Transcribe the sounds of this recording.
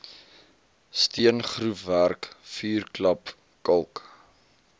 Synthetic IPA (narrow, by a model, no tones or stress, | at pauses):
stiənχrufværkfyːrklɐp | kɐlˠk